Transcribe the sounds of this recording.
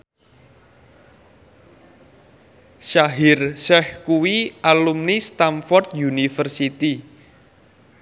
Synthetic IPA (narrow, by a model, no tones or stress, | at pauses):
ʃaɦirsɛhkuwiʔalumnist̪amfɔrt̪junifərsit̪i